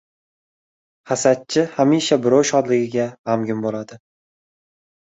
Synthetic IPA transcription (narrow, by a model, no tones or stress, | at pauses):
χasat̪̚t͡ʃʰɪhamiʃabɪɾowʃɒd̪lɪɡʲɪɡʲaamɡʲʊmbolad̪ɪ